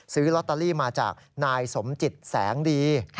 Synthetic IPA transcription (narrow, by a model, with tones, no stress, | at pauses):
sɯː˦˥lɔ˦˥t̪ːa˧liː˥˩maː˧t͡ɕa̰ː˨˩k̚naː˧jso˩˦mt͡ɕi˨˩t̪̚sɛː˩˦ŋdiː˧